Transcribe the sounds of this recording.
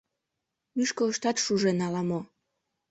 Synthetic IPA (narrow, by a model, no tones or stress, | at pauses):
myʃkoəʃt̪ɑt̪ʃuʒenɑlɑmo